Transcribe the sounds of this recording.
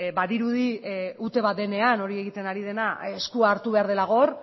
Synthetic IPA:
baðiɾuð̞iut̪e̞β̞at̪d̪e̞ne̞ano̞ɾie̞ɣit̪e̞naɾið̞e̞naeskuaːɾt̪uβe̞aɾð̞e̞laɣo̞ɾ

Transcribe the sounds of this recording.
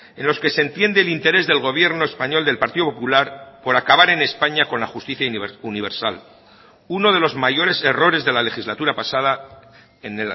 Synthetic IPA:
e̞nlo̞ske̞se̞nt̪je̞nd̪e̞ːlint̪e̞ɾe̞zðe̞lɣ̞o̞β̞je̞ɾnoespaɲo̞ld̪e̞lpaɾt̪iðopopulaɾpo̞ɾakaβaɾe̞ne̞spaɲako̞nlaxust̪iθjauniβ̞e̞ɾsal | uno̞ð̞e̞lo̞zmaʝo̞ɾe̞se̞ro̞ɾe̞zðe̞lale̞xizlat̪uɾapasað̞a | ene

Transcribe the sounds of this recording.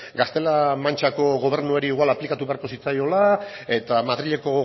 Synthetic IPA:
ɡast̪e̞lamant͡ʃako̞ɣo̞β̞e̞ɾnueɾiːɣwalaplikat̪uβe̞aɾko̞sit͡sajo̞la | e̞t̪amaðɾiʎe̞ko̞

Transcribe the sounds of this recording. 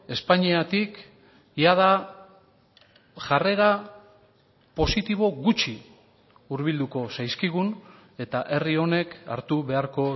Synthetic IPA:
e̞spaɲiat̪ik | jaða | ʝare̞ɣa | po̞sit̪iβ̞o̞ɣut͡ʃi | uɾβild̪uko̞sajskiɣ̞un | e̞t̪aʔe̞rio̞ne̞ka̰ɾt̪uβe̞aɾko̞

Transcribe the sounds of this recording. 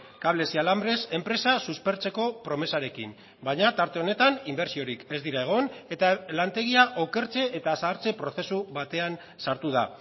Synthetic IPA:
kaβle̞sialambɾe̞se̞mpɾe̞sasuspe̞ɾt͡se̞ko̞pɾo̞me̞saɾe̞kḭn | bajɲat̪aɾt̪e̞o̞ne̞t̪animbe̞ɾsio̞ɾike̞zd̪iɾae̞ɣ̞o̞ne̞t̪alant̪e̞ɣ̞iaʔoke̞ɾt͡se̞ʔːt̪asaːɾt͡se̞pɾo̞θe̞suβat̪e̞an | saɾt̪uða

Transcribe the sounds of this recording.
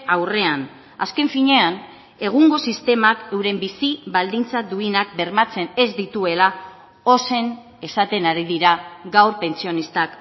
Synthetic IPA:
awre̞an | a̰ske̞ɱfiɲe̞an | e̞ɣ̞uŋɡo̞sist̪e̞make̞wɾe̞mbisiβald̪int͡sad̪uinak̚be̞ɾmat͡se̞ne̞zd̪it̪ue̞la | o̞se̞n | e̞sat̪e̞naɾiðiɾaɡawɾpe̞nsio̞nist̪ak

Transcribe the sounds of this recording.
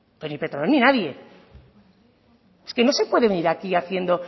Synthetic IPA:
penipet̪ɾononinaðje̞ | eske̞no̞se̞pwe̞ðe̞βeniɾakiaθje̞nd̪o̞

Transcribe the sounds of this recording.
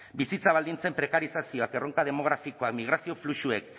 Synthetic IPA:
bisit͡saβ̞ald̪int͡se̞mpɾe̞kaɾisasio̞ake̞ro̞ŋkað̞e̞mo̞ɣ̞ɾafiko̞akmiɣ̞ɾasio̞fluʃue̞k

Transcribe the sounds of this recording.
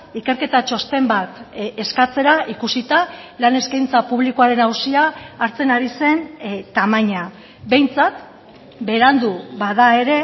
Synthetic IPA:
ike̞ɾke̞t̪at͡ʃo̞st̪e̞mbat̪eskat͡se̞ɾaʔikusit̪alane̞skajnt͡sapuβlikoaɾe̞nawsiaːɾt͡se̞naɾise̞nt̪amaɲa | be̞jnt͡sat̪ | be̞ɾand̪uβaðae̞ɾe̞

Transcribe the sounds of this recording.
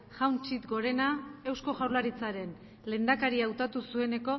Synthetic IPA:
ʝawnt͡ʃit̪ɡo̞ɾe̞nae̞wsko̞ʝawɾlaɾit͡saɾe̞n | le̞ːnd̪akaɾiawt̪at̪usue̞ne̞ko̞

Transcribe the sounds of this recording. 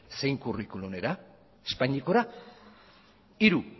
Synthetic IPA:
se̞jŋkurikulume̞ɾa | espaɲiko̞ɾa | iɾu

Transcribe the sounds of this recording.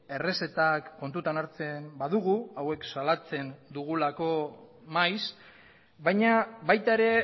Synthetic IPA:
e̞re̞se̞t̪akːo̞nt̪ut̪anaɾt͡se̞mbaðuɣ̞uawe̞ksalat͡se̞nd̪uɣulako̞ | majs | bajɲaβajt̪aeɾe̞

